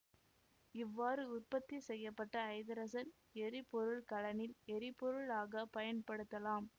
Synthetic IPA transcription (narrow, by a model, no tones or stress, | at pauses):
ɪʋːaːɾɯʊrpɐt̪ːisɛjːɐpːɐʈːɐːɪðɐɾɐsɐn | ɛɾipɔɾɯɭkɐlɐnɪlɛɾɪpɔɾɯɭaːɣɐpɐjɐnpɐɽɯt̪ːɐlaːm